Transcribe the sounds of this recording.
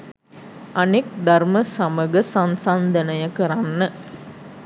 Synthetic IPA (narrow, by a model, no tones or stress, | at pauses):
ɐnek̚d̪ɐrməsɐmɐɡɐsɐnsand̪ɐnɐjɐkɐɾanːə